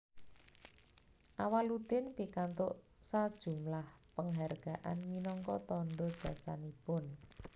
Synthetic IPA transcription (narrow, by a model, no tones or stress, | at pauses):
ʔawalud̪ɪnpikant̪ʊʔ | sad̥ʒ̥ṳmlahpəŋɦarɡ̥a̤ʔa̰nminɔŋkɔt̪ɔnɖɔd̥ʒ̥a̤sa̰nipʊn